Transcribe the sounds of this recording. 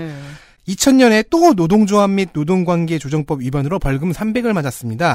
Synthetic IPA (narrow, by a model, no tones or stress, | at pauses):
it͡ɕʰʌnɲʌne̞t͈onodoŋd͡ʑoamːid̚nodoŋɡwanɡe̞t͡ɕod͡ʑʌŋp͈ʌbɥibʌnɯɾopʌɭɡɯmsʰambe̞ɡɯɭmad͡ʑas͈ɯmɲida